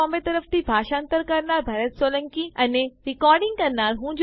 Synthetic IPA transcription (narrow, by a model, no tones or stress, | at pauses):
ɔ̃ːmbet̪ɐɾəft̪ibʱaːʃãːənt̪əɾkɐɾnaːɾbʱaːɾət̪soːlə̃ŋkiɐneɾɪkɔːɾɖɪ̃ŋɡkɐɾnaːɾɦũːd͡ʑ